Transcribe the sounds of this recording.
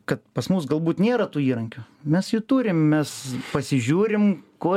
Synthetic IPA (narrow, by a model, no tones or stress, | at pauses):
kɐt̪pɐsmuːsɡɐlˠbuːt̪nʲeːɾɐt̪uːiːɾɐŋʲkʲʊ | mʲɛsjut̪uːɾʲɪmmʲɛspɐsʲɪʒʲuːɾʲɪmkoː